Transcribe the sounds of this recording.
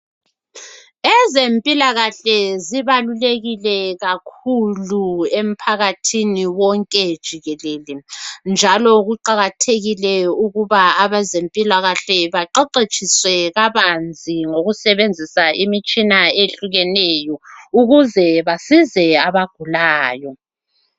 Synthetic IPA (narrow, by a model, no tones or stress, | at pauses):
ɛzempʼilaɣaɬɛziβaluleɣilɛɣakʰuluem̩pʰaɣatʰiniwɔŋkʼɛd̥ʒ̥ʱiɣɛleːlind͡ʒʱalɔɣuǃaɣatʰeɣilɛuɣuβaːβazempʼilaɣaɬɛβaǃɛǃet͡ʃʼʰiswɛɣaβand͡zʱiŋoɣusɛβend͡zʱisaimit͡ʃʼinaeɬuɣɛnɛjɔuɣuzɛβasizɛaβaɡ̥ʱulaːjɔ